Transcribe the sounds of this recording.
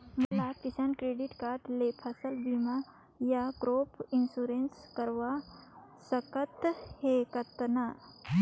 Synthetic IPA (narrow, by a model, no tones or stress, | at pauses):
mɐlakɪsaːnkɾeːɖɪʈkaːɾʈleːpʰəsəlbiːma | jakɾoːpʰɪnsuːɾenskəɾʋasəkət̪hekət̪na